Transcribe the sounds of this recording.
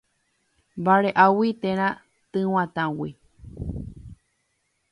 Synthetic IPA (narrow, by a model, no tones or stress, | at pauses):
mbaɾeʔawit̪ẽɾ̃ã | t̪ɨ̃w̃ãt̪ãwi